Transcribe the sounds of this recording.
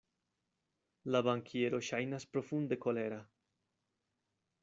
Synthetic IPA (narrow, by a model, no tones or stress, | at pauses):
laβaŋkʰjeɾoʃajnaspɾofund̪ekoleɾa